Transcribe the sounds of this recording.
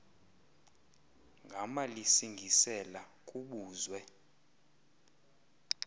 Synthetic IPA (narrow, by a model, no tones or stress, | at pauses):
ŋɡʱamalisiŋɡʱisɛlakʼuɓuːzwɛ